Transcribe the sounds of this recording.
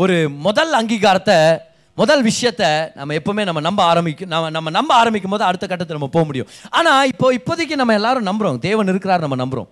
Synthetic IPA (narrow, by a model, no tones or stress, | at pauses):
ɔɾɯmɔðɐlɐŋɡiːɣaːɾɐt̪ːɐ | mɔðɐlʋɪʂɐjɐt̪ːɐnʔɐ̰mːɐɛpːoːmeːnɐmːɐnɐmbɐaːɾɐmbɪkːɯ̃nɐmːɐnɐmːɐnɐmbɐaːɾɐmbɪkːɯmboːðɯ̃ɐɽɯt̪ːɐkɐʈːɐt̪ːɐnɐmːɐpoːɐmʊɽɪjʊ̰̃aːnaːɪpːoːɪpːoðɯk̬ʲːɯnɐmːɐɛlːaːɾɯ̃nɐmbɐɾõːd̪eːʋɐnɪɾɯkːɪɾaːɾnɐmːɐnɐmbɯɾõ̰ː